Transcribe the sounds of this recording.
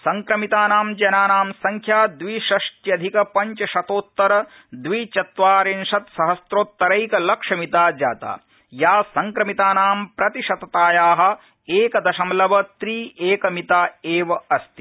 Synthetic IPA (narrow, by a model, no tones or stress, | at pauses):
sɐŋkɾɐmit̪aːnaːmd͡ʒɐnaːnaːmsɐŋkʰjaːd̪ʋiʃɐʂʈjɐd̪ʱikɐpɐɲt͡ʃɐʃɐt̪oːt̪ːɐɾɐ | d̪ʋit͡ʃɐt̪ʋaːɾinʃɐt̪sɐɦɐsɾoːt̪ːɐɾɐjkɐlɐkʂɐmit̪aːd͡ʒa̰ːt̪a̰ː | jaːsɐŋkɾɐmit̪aːnaːmpɾɐt̪iʃɐt̪ɐt̪aːjaːɦɐ̆ | eːkɐd̪ɐʃɐmlɐʋɐt̪ɾiːeːkɐmit̪aːeːʋɐɐst̪i